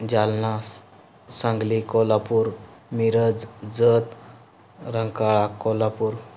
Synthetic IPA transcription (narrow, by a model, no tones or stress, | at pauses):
d͡ʑalna | sãŋɡlikɔlapuɾmiɾəd͡zd͡zət̪ | ɾəŋkaɭakɔlapuːɾ